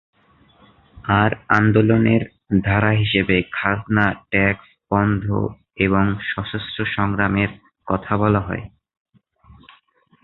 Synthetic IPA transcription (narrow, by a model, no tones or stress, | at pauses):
aɾand̪oloneɾ | d̪ʱaɾaɦiʃebekʰad̪naʈɛks | b̥ɔnd̪ʱo̰ | eβoŋʃɔʃosʈoʃɔŋɾameɾ | kɔt̪ʰabɔlaɦɔ̰e